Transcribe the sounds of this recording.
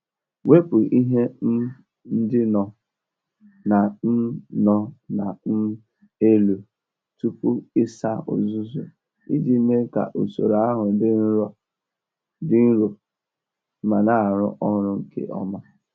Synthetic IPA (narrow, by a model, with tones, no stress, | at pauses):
we˦pʊ˨ʔi˦ɦe˦ | n̩˦dɪ˦nɔ˨ | na˨n̩˦nɔ˦na˨n̩˦ | e˦lu˨ | tu˦pu˦ɪ˦sa˦ʊ̰˨zʊ˦zu˨ | i˦d͡ʒi˦me˦ka̰˨ʔu˨so̰˨ɾa˦ɦʊ˨dɪ˦n̩˦ɾɔ˦ | dɪ˦n̩˦ɾo˨˦ | ma˨na˦˨ɾʊ̰˦ʔɔ˦ɾʊ˦ŋ̩˦kḛ˦ʔɔ̰˦ma˦